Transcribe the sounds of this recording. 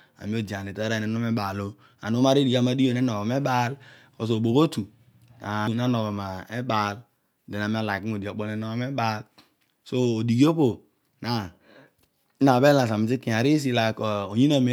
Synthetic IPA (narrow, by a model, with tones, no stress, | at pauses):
a̰˨mi˦o˦d͡ʒi˨a˨ne˨ta˦ɾa˦˨ne˨˦no˦me˦ba˨lo˦ | a̰˨no˦ma˦ɾi˦di˨ka˦ma˨di˦o˨ne˦no˨o˨me˦ba˦lko˨s̬o˨bo˨ko˦tu˨ | a˨˦na˦no˨ɣo˨ma˨e˦ba˦l | de˨na˨mi˦a˦˨la˨ki˦o˨di˨o˨k͡po˦ne˨no˦me˦ba˦l | so˦o˨di˨ɡi˦o˦po˨ | na˨˦ | na˨be˦la˨s̬a˨mi˨s̬i˦ki˨a˨ɾi˦s̬i˦la˨ko˨o˨ɲi˦na˨me˨˦